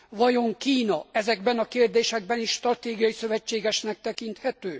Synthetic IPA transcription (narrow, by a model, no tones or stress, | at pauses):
vɒjo̞ŋkiːnɒɛzɛɡbɛnɒkeːrd̪eːʃɛɡ̚bɛniʃːt̪rɒt̪eːɡijɒjisø̞vɛt͡ʃːeːɡɛʃnɛk̚t̪ɛkint̪hɛt̪øː